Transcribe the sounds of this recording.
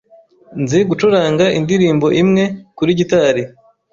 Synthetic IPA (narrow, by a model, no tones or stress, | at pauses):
nzeɡut͡ʃuɾaːŋɡaʔindiɾiːmbo̞ʔimŋe̞kuɾiɟitaɾi